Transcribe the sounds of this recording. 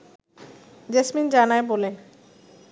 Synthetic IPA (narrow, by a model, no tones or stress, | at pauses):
d͡ʑesmind͡ʑanaebole